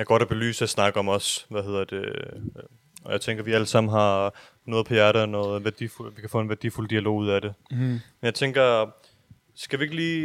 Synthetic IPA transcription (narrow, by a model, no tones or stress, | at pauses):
jɑ̈ɡ̥ɒ̽ɾ̥æb̥e̝ly̰ːsəæsnɑ̈ɡ̥ɐɒ̽mɒ̽sʋæɦe̝ð̞̰ˠɐ̥d̥e | ɒjɑ̈ɪt͡sʰeŋɡ̥ɐʋiæləsɑ̈m̰n̩ɦɑ̈ | nɔ̽ːðˠpʰɒjæɐɾɐnɔ̽ːð̩ˠʋæɐd̥ḭfulʋikʰæ̥fɔ̰̽ːe̝nʋæɐd̥ḭːfuld̥iælo̝̰ːuð̞̰ˠædɾe̝menjɑɪt͡sʰeŋɡ̥ɐ | sɡ̥æʋie̝ɡ̥liː